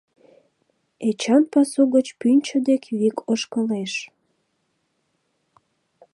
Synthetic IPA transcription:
et͡ɕɑnpɑsuɣət͡ɕpynʲt͡ɕəd̪ekβikʰoʃkəleʃ

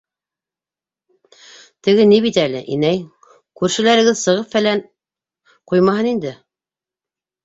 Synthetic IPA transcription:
t̪ɘ̆ɡɘniβit̪ælɘ̰ʔḭnæj | kʉɾʃɘ̆læɾɘ̆ɡɘðsɤ̆ʁɤpfælæn | qujmɑɦɤnind̪ɘ

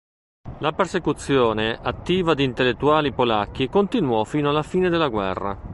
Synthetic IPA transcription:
lapersekut̪sːjoːneʔat̪ːiːvad̪iːnt̪elːet̪ːuaːlipolak̟ːikont̪inwɔfiːnoalːafiːned̪elːaɡwɛ̰rːa̰

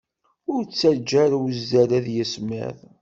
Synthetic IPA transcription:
ʊɾt͡sːæɾd͡ʒæɾwəzːæɾæðjəsmæ̰ðˤ

